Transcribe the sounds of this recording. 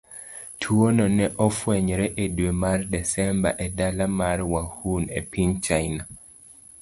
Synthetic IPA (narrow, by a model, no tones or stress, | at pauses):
tʰwonɔnɛʔɔfwɛɲɾɛʔedwemardɛsɛmba̰ʔɛdalamarwahunḛpiɲt͡ʃaina